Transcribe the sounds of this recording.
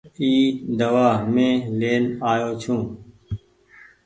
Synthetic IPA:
iːd̪əʋaːɦmẽːleːnaːjoːt͡ʃʰũː

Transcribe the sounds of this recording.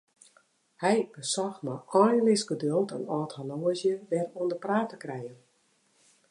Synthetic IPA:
hɛjb̥əsɔxmaʔɔjnlɪsɡədølˠtənɔːthaloːəzjəʋɛruəndəpraːtəkrɛjən

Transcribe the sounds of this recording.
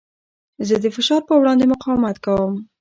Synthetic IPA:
zəd̪əfɪʃɑɾpəwɽɑnd̪emʊqɑwmat̪kawəm

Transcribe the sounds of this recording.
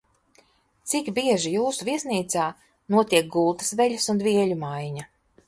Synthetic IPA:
t̪sikbiɛʒijuːsuviɛsniːt̪saː | nuɔt̪iɛk̚ɡulˠt̪ɐ̥svɛʎʲɐsund̪viɛʎʲumajɲa

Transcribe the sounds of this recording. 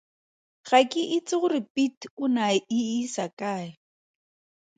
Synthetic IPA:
χakʼɪʔɪt͡sʼɪχʊrɪpʼitʰʊnaɪɪsakʼaːɪ

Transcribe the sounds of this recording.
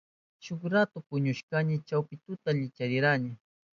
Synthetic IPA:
ʃʊkɾat̪ʊpʊɲʊʃkanɪt͡ʃawpɪt̪ʊt̪aʎɪt͡ʃaɾɪɾanɪ

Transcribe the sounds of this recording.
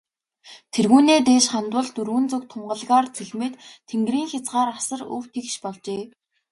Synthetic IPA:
t̪ʰerɣuːneːt̪eːʃχant̪wʊ̆ɮt̪ɵrɣɵ̆nt͡sɵk̚t̪ʰʊmɢə̆ɮɣaːrt͡sʰeɮmeːt̪t̪ʰːeŋɡriːŋxʲat͡sɢaːɾasə̆rɵ̰wt̪ʰekʃpɔɮt͡ɕeː

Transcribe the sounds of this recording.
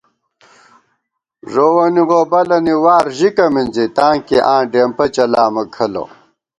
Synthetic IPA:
ʐowɐniʁobɐlɐniwaːɾʑikɐmind͡zit̪ãːŋkeʔãːɖeːmpɐt͡ɕɐlaːmɐkʰɐlo̰

